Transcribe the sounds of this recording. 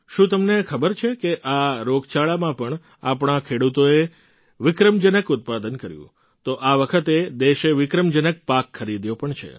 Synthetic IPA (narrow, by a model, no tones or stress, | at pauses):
ʃũt̪əmnekʰəbəɾt͡ʃʰekeʔaɾoɡt͡ʃaɭamãpəɳ | a̰pɳ̃akʰeɽut̪oe | ʋɪkɾəmd͡ʒənəkʊt̪̚pad̪ənkəɾjṵ̃ | t̪oʔaʋəkʰət̪ed̪eʃeʋɪkɾəmd͡ʒənək̚pakʰːəɾid̪jopəɳt͡ʃʰḛ